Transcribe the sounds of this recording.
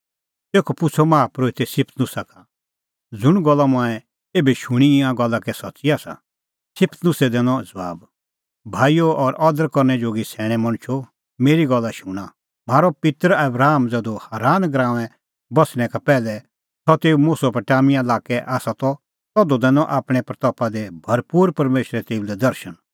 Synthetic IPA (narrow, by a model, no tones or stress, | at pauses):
t̪eːkʰɔpʊt͡sʰɔmaːpɾoːit̪ɛsɪpʰt̪nʊsaka | d͡zʊɽ̃ɡɔlːamãːɛ | eːbɛʃuɽ̃iĩãɡɔlːakɛsɔtːsiaːsa̰ | sɪpʰt̪nʊsɛd̪ɛːnɔ̃d͡zbaːb | bʱaːijoɔɾɔd̪əɾkɔɾnɛd͡ʒoːɡisɛːɽ̃ɛ̃mɐ̃ɽ̃t͡ʃʰo | meːɾiɡɔlːaʃũːɽ̃a | maːɾɔpɪt̪əɾɐbɾaːmd͡zɛd̪ohaːɾaːnɡɾãːʋɛ̃ | bɐsɽ̃ɛ̃kapɛːlɛ | t̪ɔt̪eːumuːsɔpɛʈaːmiãlaːkɛʔaːsat̪ɔ | t̪ɔd̪ɔd̪ɛ̃ːnɔ̃ʔaːpɽ̃ɛpɾɐt̪ɔːpad̪ɛbʱɐɾpuːɾpɐɾmeːʃɾɛt̪eːulɛd̪ɐɾʃən